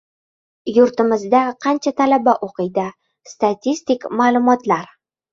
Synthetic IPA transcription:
jʊɾt̪ɪmɪzd̪aqʰɑnt͡ʃʰat̪ʰalabaʔoqɨjd̪ɪ | st̪at̪ʲʰist̪ikmaːlˠʊmɒt̪laɾ

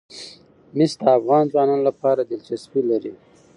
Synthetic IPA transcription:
mɪsd̪əːfɣɑnzwɑnɑnolapɑɾad̪ɪlt͡ʃaswilaɾi

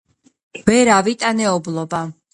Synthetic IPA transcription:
vɛɾavit̪ʼanɛɔblˠɔba

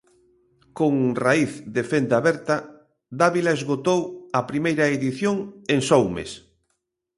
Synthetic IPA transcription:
koŋraiθd̪efend̪aβɛɾt̪ɐ | d̪aβilaezɣot̪owɐpɾimejɾɐeðiθjoŋeŋsɔwmḛs

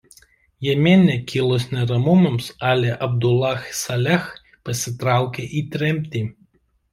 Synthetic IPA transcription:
jɛmʲeːnnʲɛkʲʰɪlˠɔsnʲɛɾɐmʊmɐmsɑːlʲeʔɐbd̪ʊlˠɑxsɐlʲɛx | pɐsʲɪt̪ɾɑˑʊkʲeʔiːt̪ʲɾʲɛmʲt̪ʲiː

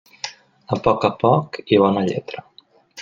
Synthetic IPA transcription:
əpɔkəpɔkiβɔnəʎɛ̰t̪ɾə

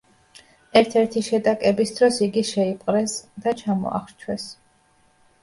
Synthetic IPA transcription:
ɛɾt̪ʰɛɾt̪ʰiʃɛd̪akʼɛbisd̪ɾɔsiɡiʃɛipʼqʼɾɛsd̪at͡ʃʰamɔ̰a̰χɾt͡ʃʰwɛs

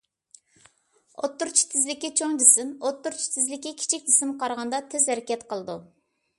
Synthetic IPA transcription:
ot̪ːuɾt͡ʃʰi̥t̪ʰɪzlɪkʲːit͡ʃʰoŋd̪ɪsɪmot̪ːuɾt͡ʃʰi̥t̪ʰɪzlɪkʲːikʲʰi̥t͡ʃʰik̚ʲd̪ɪsɪmqʰɑɾʁɑnd̪ɑt̪ʰɪzhɛɾɪkʲɛt̪qʰəlˠɨd̪u

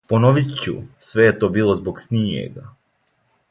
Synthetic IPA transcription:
ponoʋit̪t͡ɕṵsʋe̞jet̪o̞ːbiːlˠozboksnʲijḛɡa

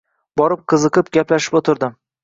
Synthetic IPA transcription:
bɒɾɪp̚qʰɨzɨqɨp̚ɡʲaplaʃɪ̥pot̪ʰɪɾd̪ɪm

